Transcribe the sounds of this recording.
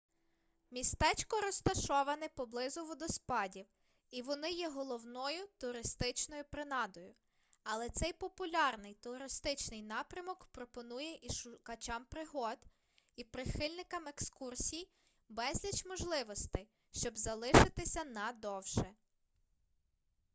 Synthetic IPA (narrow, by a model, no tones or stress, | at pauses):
mʲist̪ɛt͡ʃʲkɔɾɔst̪ɐʃɔʋɐnɪpɔblˠɪzʊʋʊd̪ɔspɑdʲiw | iʋɔnɪjɛɦɔlˠɔwnɔjʊt̪ʊɾɪst̪ɪt͡ʃnɔjʊpɾɪnɑd̪ɔjʊ | ɐlˠɛt̪sɛjpɔpʊlʲɑrnɪjt̪ʊɾɪst̪ɪt͡ʃnɪjnɑpɾʲɐmɔkpɾɔpɔnujɛʔiʃʊkɐt͡ʃɑmpɾɪɦɔd̪ | ipɾɪxɪlʲnɪkɐmekskursʲij | bɛzʲlʲɐt͡ʃmɔʒlˠɪʋɔst̪ɪ | ʃt͡ʃɔbzɐlˠɪʃɪt̪ɪsʲɐnɐd̪ɔwʃɛ